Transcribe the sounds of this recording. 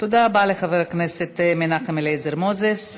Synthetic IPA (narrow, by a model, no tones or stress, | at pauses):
t̪od̪abaleχaveɾakneset̪menaχemelejzeɾmozes